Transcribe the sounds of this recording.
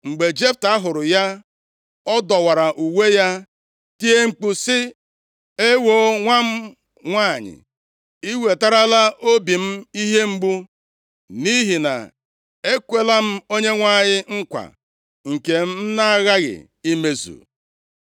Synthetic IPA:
ŋ͡m̩˨ɡ͡be˨d͡ʒe˦p̚ta˨˦ɦʊ˨ɾʊ˨ja˦ | ɔ˦dɔ˨wa˨ɾa˨ʔu˨we˦ja˦ | ti˦e˦ŋ͡m̩˨k͡pu˦sɪ˦ | e˦wo˦ŋʷa˦m̩˦ | ŋʷa˦˨ɲɪ̰˨ | i˦we˨ta˦ɾa˦la˦o˦bi˨m̩˦i˦ɦe˦ŋ͡m̩˦ɡ͡bu˦ | ni˦ɦi˨na̰˨ | e˦kʷe˦la˦m̩˦o˦ɲe˦ŋʷa˦˨ɲɪ˦ŋ̩˦kʷa̰˨ | ŋ̩˨ke˨m̩˦m̩˦na˦a˦ɣa˦ɣɪ̰˨ | i˦me˦zṵ˨

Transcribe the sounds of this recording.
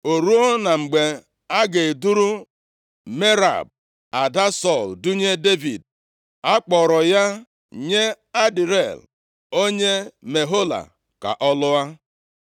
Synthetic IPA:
o˨ɾu˦o˦na˨ŋ͡m̩˨ɡ͡be˨ | a˦ɡe˨du˦ɾu˦ | me˦ɾa̰˨b̚ | a˨da˦sɔ˦˨ldu˦ɲe˦de˦vi˨d | a˦k͡pɔ˨ɾɔ˨ja˦ | ɲe˦ | a˦di˨ɾe˦˨l | o˦ɲe˦me˨ɦo˦la̰˨ | ka̰˨ʔɔ˦lʊ˦a˦

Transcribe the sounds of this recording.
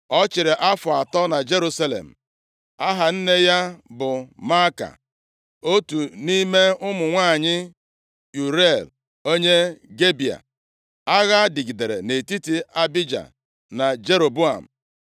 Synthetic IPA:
ɔ˦t͡ʃɪ˨ɾɪ˨ʔa˦fʊ˨a˨tɔ˦na˨d͡ʒe˦ɾu˦sa˦lḛ˨m̩˨ | a˦ɦa˨n̩˦ne˦ja˦bʊ˨ma˦ka̰˨ | o˦tu˨ni˦me˦ʊ˦mʊ˨ŋʷaː˦˨ɲɪ˦ | ju˨ɾe˦˨l | o˦ɲe˦ɡe˦bi˨a̰˨ | a˦ɣa˦di˨ɡi˨de˨ɾḛ˨ne˨ti˦ti˦a˦bi˦d͡ʒa̰˨ | na˨d͡ʒe˦ɾo˨bu˦a̰˨m̩˨

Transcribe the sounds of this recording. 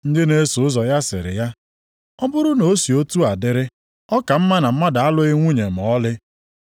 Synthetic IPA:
n̩˦dɪ˦ne˦sʊ˨ʊ˦zɔ˨ja˦sɪ̰˨ɾɪ̰˨ja˦ | ɔ˦bʊ˦ɾʊ˦no˨˦si˨o˦tu˦a˨dɪ˦ɾɪ˦ | ɔ˦ka˨m̩˦ma˦na˨m̩˦ma˦da˨a˦lʊ˦ɪ˦ŋʷu˦ɲe˨m̩˨ɔ˦lɪ˦

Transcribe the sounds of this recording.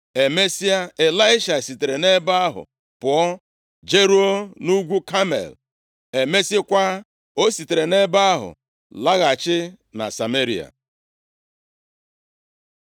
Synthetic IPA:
e˨me˦si˦a˦e˨la˦ɪ˦ʃa˨si˨te˨ɾe˨ne˦ba˦a˦ɦʊ̰˨ | pʊ˨ɔ˦ | d͡ʒe˦ɾu˦o˦nu˦ɡʷu˦ka˦mḛ˨l | e˨me˦sɪ˦kʷa˦ | o˦si˨te˨ɾe˨ne˦ba˦a˦ɦʊ̰˨ | la˦ɣa˨t͡ʃɪ˦ | na̰˨sa˨me˦ɾi˨a̰˨

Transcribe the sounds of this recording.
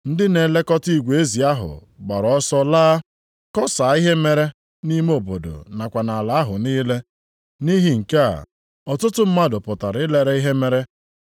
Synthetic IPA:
n̩˦dɪ˦ne˨le˦kɔ˦ti˦˨ɡʷe˦zi˨a˦ɦʊ̰˨ɡ͡ba˨ɾɔ˦sɔ˦laː˦ | kɔ˦sa˨˦i˦ɦe˦me˦ɾe˦ | ni˦m˦o˨bo˨do̰˨na˨kʷa˨na˨a˨la˨˦a˦ɦʊ˨niː˦le˦ | ni˦ɦi˨ŋ̩˨ke˦a̰˨ | ɔ˨tʊ˦tʊ˦m̩˦ma˦dʊ˨pʊ˨ta˨ɾɪ˦le˦ɾe˦i˦ɦe˦me˦ɾe˦

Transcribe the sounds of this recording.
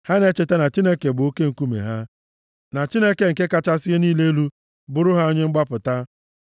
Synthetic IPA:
ha˦ne˦t͡ʃe˨te˦na˨t͡ʃi˦ne˦ke˨bʊ˨o˦ke˦ŋ̩˨ku˦mḛ˨ɦa˦ | na˨t͡ʃi˦ne˦ke˨ŋ̩˨ke˦ka˦t͡ʃa˦sɪ˦e˦niː˦le˦lu˦ | bʊ˦ɾʊ˦ɦa˦o˦ɲe˦ŋ͡m̩˦ɡ͡ba˦pʊ˨ta˦

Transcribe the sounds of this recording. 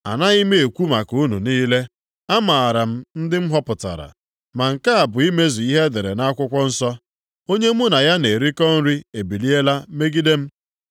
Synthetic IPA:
a̰˨na˦i˦me˦e˨kʷu˦ma˨ku˦nṵ˨niː˦le˦ | a˦ma˨a˨ɾa˨m̩˦n̩˦dɪ˦m̩˦ɦɔ˦pʊ˨ta̰˨ɾa̰˨ | ma˨ŋ̩˨ka˦a˨bʊ˨i˦me˦zi˨i˦ɦe˦de˨ɾe˨na˦a˦kʷʊ˦kʷɔ˦n̩˦sɔ˦ | o˦ɲe˦m˦ʊ˦na˨ja˦ne˨ɾi˦kɔ˦n̩˦ɾi˦e˨bi˨li˦e˦la˦me˦ɡi˦de˦m̩˦

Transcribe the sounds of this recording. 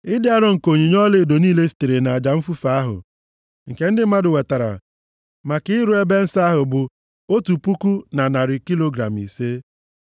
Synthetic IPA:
ɪ˦dɪ˦a˦ɾɔ˦ŋ̩˨ko˨ɲi˨ɲɔ˦lɪ˦˨do˨niː˦le˦si̥˨te˨ɾe˨na˨a˨d͡ʒa˨m̩˦fu˦fa˨a˦ɦʊ̰˨ | ŋ̩˨ke˦n̩˦dɪ˦ma˦dʊ˨we˨ta˨ɾa̰˨ | ma˨kɪ˦ɪ˦ɾʊ˦e˦be˦n̩˦sa˦a˦ɦʊ˨bʊ˨ | o˦tu˨pu˦ku˦na˨na˨ɾɪ˨ki˦lo˨ɡɾa̰˨m˨ḭ˨se˦

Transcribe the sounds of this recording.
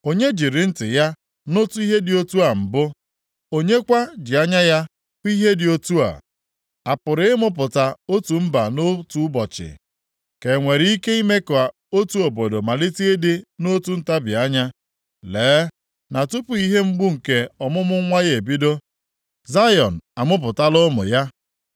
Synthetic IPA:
o˨ɲe˦d͡ʒi˨ɾɪ˨n̩˦tɪ̰˨ja˦ | no˦tu˦i˦ɦe˦dɪ˨o˦tu˦a˨m̩˨bʊ˦ | o˦ɲe˦kʷa˦d͡ʒɪ˨a˦ɲa˦ja˦ | ki˦ɦe˦dɪ˨o˦tu˦a̰˨ | a˨pʊ˨ɾɪ˦ɪ˦mʊ˦p̬ʊ˨ta˨o˦tu˨m̩˦ba˨no˦tu˦bɔ˨t͡ʃɪ̰˨ | ke˨ŋʷe˨ɾi˦ke˦i˦me˦kɔ˨a˨ | o˦tu˨o˨bo˨do˨ma˨lɪ˦ti˦dɪ˦no˦tu˨n̩˦ta˦bja˦ɲa˦ | leː˨˦ | na˨tʊ˦pʊ˨i˦ɦe˦ŋ͡m̩˦ɡ͡bʊ˦ŋ̩˨ke˨ɔ˨mʊ˦mʊ˦ŋʷa˦je˨e˨bi˦do˦ | za˦jɔ̰˨n̩˨a˨mʊ˦p̬ʊ˨ta˦lʊ˦mʊ̰˨ja˦

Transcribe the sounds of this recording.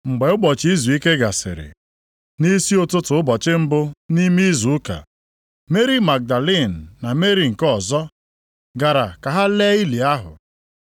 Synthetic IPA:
ŋ͡m̩˨ɡ͡be˨ʊ˦ɡ͡bɔ˨t͡ʃi˦zu˨i˦ke˦ɡa˨sɪ̰˨ɾɪ̰˨ | ni˦si˦o˦˨tʊ˦tʊ˨˦ʊ˦bɔ˨t͡ʃɪ˦m̩˦bʊ˦ni˦mi˦zu˨ʊ˦ka̰˨ | me˦ɾi˦ma˨ɡ̚da˨le˦˨n̩ː˨a˨me˦ɾi˨ŋ̩˨kɔ˨zɔ˦ | ɡa˨ɾa˨ka˨ɦa˦le˦i˦li˨a˦ɦʊ̰˨

